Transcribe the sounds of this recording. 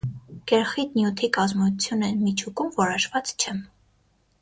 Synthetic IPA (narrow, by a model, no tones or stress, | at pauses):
kɛɾχit̪njut̪ʰikɑzmut͡sʰjunɛmit͡ʃʰukumvɔɾɔʃvɑt͡st͡ʃʰɛ